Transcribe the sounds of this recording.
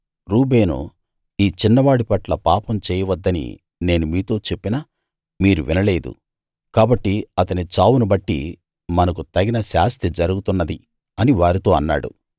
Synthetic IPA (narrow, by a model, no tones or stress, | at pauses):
ɾuːbe̞ːnṵ | iːt͡ʃinːɐʋaːɽipɐʈlɐpaːpɐmt͡ʃɛːjɐʋɐd̪ːɐnḭ | ne̞ːnumiːt̪o̞ːt͡ʃe̞pːinaː | miːɾuʋinɐle̞ːd̪ṵ | kaːbɐʈːiɐt̪ɐnit͡ʃaːwunubɐʈːḭ | mɐnɐk̬ut̪ɐɡinɐʃaːst̪ʰid͡ʒɐɾuɡut̪unːɐd̪i | ɐniʋaːɾit̪o̞ːɐnːa̰ːɽṵ